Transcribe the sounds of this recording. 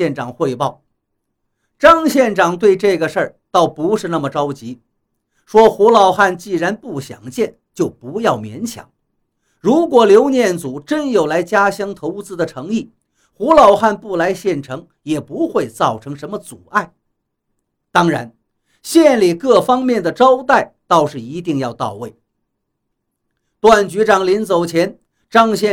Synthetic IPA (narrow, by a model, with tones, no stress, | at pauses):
ɛ˥˩nʈ͡ʂɑ˨˩ŋxwe˥˧ɪpɑ˥˩ʊ | ʈ͡ʂɑ˥ŋɕjɛ˥˩nʈ͡ʂɑ˨˩ŋt̪̬we˥˧ɪʈ͡ʂɤ˥˩ɡə˩ʂə˞˥˧˩t̪ɑ˥˩ʊpu˧˥ʂɻ̩˥˧na˥˩mə˩ʈ͡ʂɑ˥ʊt͡ɕi˧˥ | ʂwɔ˥xu˧˥lɑ˨˩ʊxa˥˧nt͡ɕi˥˩ɻa˧˥npu˥˩ɕjɑ̰˨˩ŋt͡ɕjɛ˥˩nt͡ɕjo˥˩ʊpu˧˥jɑ˥˩ʊmjɛ˧˥nt͡ɕʰjɑ̰˨˩˦ŋ | ɻu˧˥kwɔ˨˩ljo˧˥ʊnjɛ˥˩nt͡su˨˩˦ʈ͡ʂə˥njo˨˩ʊla˧˥ɪt͡ɕja˥ɕjɑ˥ŋt̪ʰo˧˥ʊ˥t͡sɹ̩˥d̪ə˨ʈ͡ʂʰɤ˧˥ŋi˥˩ | xu˧˥lɑ˨˩ʊxa˥˧npu˥˩la˧˥ɪɕjɛ˥˩nʈ͡ʂʰɤ˧˥ŋ | jɛ˨˩pu˧˥xwe˥˧ɪt͡sɑ˥˩ʊʈ͡ʂʰɤ˧˥ŋʂə˧˥nmə˧t͡su˨˩a˥˩ɪ | t̪ɑ˥ŋɻa̰˧˥n | ɕjɛ˥˧nli˨˩kɤ˥˩fɑ˥ŋmjɛ˥˩nd̪ə˩ʈ͡ʂɑ˥ʊt̪a˥˩ɪt̪ɑ˥˧ʊʂɻ̩˥˩i˧˥t̪i˥˧ŋjɑ˥˧ʊt̪ɑ̰˥˧ʊwe˥˩ɪ | t̪wa˥˩nt͡ɕy˧˥ʈ͡ʂɑ˨˩ŋli˧˥nt͡so˨˩ʊt͡ɕʰjɛ˧˥n | ʈ͡ʂɑ˥ŋɕjɛ˥˧